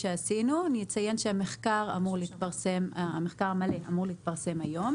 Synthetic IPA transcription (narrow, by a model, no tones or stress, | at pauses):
ʃeasinunit͡saje̞nʃeameχkaʁa̰muʁlit̪paʁse̞mameχkaʁmalea̰muʁliit̪̚paʁse̞majo̞m